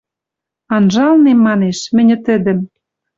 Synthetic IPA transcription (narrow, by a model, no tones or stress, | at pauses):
ɑnʒɑlnemːɑneʃmɘ̆nʲɘ̆t̪ɘ̆d̪ɘ̆m